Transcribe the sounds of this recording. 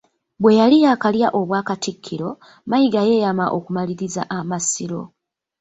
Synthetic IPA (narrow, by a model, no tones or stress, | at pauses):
bwe̞jalijakaljaʔo̞βwaːkatikʰːiɾo̞ | majiɡaje̞jamaʔo̞kumaliɾiza̰ʔamasiɾo̞̰